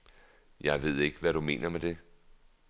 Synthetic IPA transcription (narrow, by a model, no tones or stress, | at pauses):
jɑ̈ɪʋe̝ð̞̰ˠe̝ɡ̥əʋæɾume̝̰ːnɐmed̥e̝